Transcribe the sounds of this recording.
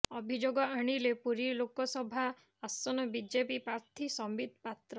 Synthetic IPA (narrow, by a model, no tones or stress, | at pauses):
ɔbʱid͡ʒoɡɔaɽ̃ilepuɾilokɔsɔbʱa | asɔnɔbid͡ʒepipɾaɾt̪ʰisɔmbid̪̚ʱpat̪ɾɔ